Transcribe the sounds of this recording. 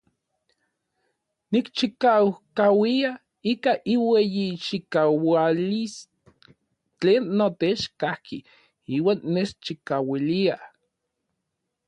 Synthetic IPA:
nikt͡ʃikawkawia | ikaʔiwejit͡ʃikawalis | t͡ɬeːnːot̪et͡ʃkahkʰi | iːwaːnːest͡ʃikawilia

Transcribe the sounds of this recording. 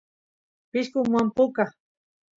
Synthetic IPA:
pɪʃkʊmwampʊka

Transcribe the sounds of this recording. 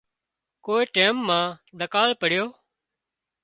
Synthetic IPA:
koːiːʈeːmːãːd̪ʱəkaːlpəɽɪjoː

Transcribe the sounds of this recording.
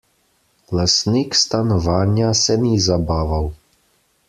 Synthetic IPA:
lasnikst̪anɔʋaːnjasɛnizabaːʋaw

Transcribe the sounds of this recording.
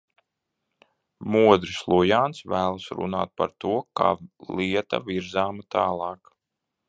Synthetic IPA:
muɔd̪ɾislˠujaːnsvæːlˠasɾṵnaːt̪̚pa̰ɾt̪uɔka̰ːlˠiɛt̪a̰viɾzaːmat̪aːlˠɑːk

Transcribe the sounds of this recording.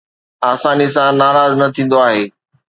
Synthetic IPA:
aːsaːnis̬ãnaːɾaːznɐt̪ʰĩːn̆d̪oaːɦeː

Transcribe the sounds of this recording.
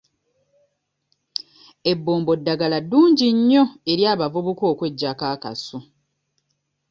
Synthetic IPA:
e̞bːoːmbo̞dːaɡaladːuːɲɟiɲːo̞e̞ɾjaːβavuβuko̞ːkwe̞ɟːakaːka̰su

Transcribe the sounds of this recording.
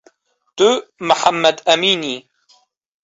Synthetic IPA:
t̪uməħamːɐd̪ɐmiːniː

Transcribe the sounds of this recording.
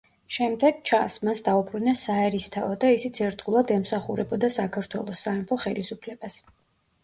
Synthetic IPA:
ʃɛmd̪ɛɡ̥t͡ʃʰasmasd̪aupʰɾunasaɛɾist̪ʰaɔd̪aisit̪sʰɛɾtd̪ɡulˠad̪ɛmsaχuɾɛbɔd̪asakʰaɾt̪ʰwɛ̰lˠɔsːaɛmpʰɔχɛlisupʰlɛbas

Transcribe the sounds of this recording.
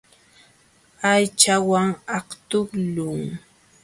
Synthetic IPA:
ajt͡ʃawaŋɑqt̪ʊklʊŋ

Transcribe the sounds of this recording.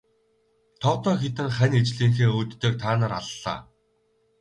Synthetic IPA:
t̪ʰɔːt̪ɔːxet̪ɘ̆ŋχænet͡ɕɮiːŋxeːuːt̪ːeːk̚t̪ʰaːnaːɾa̰ɮːa̰ː

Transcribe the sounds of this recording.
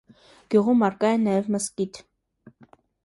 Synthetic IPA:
ɡ̥juʁumɑɾkɑjɛnɑjɛvməskit̪ʰ

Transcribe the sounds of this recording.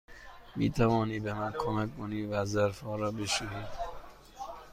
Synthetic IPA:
mḭːt̪ʰævɒːniːbemænkʰomækkoniːvæzæɾfɒːɾɒːbeʃiniːd̪

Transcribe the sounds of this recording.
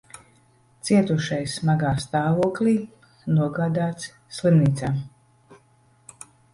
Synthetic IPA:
t̪siɛt̪uʃajsmaɡaːst̪aːvuɔklʲiː | nuɔɡaːd̪aːt̪s | slˠimniːt̪saːm

